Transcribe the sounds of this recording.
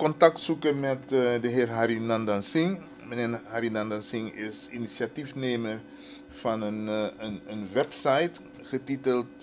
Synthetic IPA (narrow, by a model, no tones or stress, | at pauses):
kɔntɑktsukəmɛtdəɦɪːrɦaɾinɑndɑnsɪŋ | məneːɦaːɾinɑndɑnsɪŋɪsinisjatifneːmər | fɑnənənənʋɛpsɑjt | χətitəlˠt